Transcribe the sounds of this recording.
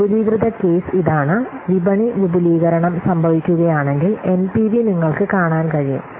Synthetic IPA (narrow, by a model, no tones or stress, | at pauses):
pudiːɡrɨd̪ɐke̞ːsiðaːɳɨʋibɐɳiʋibuliːɣɐɾɐɳɐmsɐmbʱɐʋikʲːuɣɐjaːɳe̞ŋɡile̞npiʋiniŋːɐɭkɨkaːɳaːnkɐɻijṵm